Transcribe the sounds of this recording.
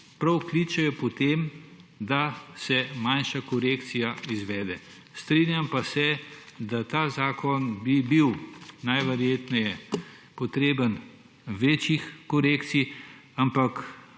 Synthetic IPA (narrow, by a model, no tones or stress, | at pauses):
pɾɐwklit͡ʃɛjɔpɔt̪emd̪asɛmanʃakɔɾeːkt̪sijaizʋɛːd̪ɛ | st̪ɾinjampasɛd̪at̪aːzaːkɔnbibiwnajʋɛɾjeːt̪nɛjɛ | pɔt̪ɾeːbən | ʋeːt͡ʃixkɔɾekt̪siampak